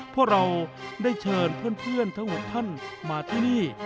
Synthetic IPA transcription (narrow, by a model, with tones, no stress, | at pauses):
pʰu˥˩kɾa˧wdaː˥˩jt͡ɕʰɤː˧npʰɯ˥˩ənpʰɯ˥˩ənt̪ʰa˦˥ŋmo˨˩t̪ʰːa˥˩nmaː˧t̪ʰiː˥˩niː˥˩